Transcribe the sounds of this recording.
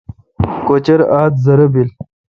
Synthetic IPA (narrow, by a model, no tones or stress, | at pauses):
kot͡ɕɐɾaːt̪zɐɾɐbil